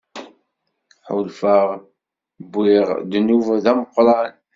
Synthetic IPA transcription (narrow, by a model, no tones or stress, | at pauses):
ħʊlfəʁ | bːɪʁd̪nuvðæməqːɾˤɑn